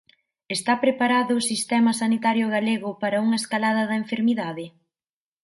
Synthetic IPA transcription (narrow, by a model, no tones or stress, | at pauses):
est̪apɾepaɾaðʊːsist̪ɛmɐsanit̪aɾjʊɣaleɣʊpaɾɐuŋɐeskalaðɐðɐeɱfeɾmiðaðɪ